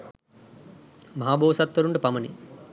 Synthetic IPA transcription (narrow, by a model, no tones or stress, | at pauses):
mɐɦaːbʱoːɐsɐt̪ʋɐɾuɳɖɐpɐmɐnḭ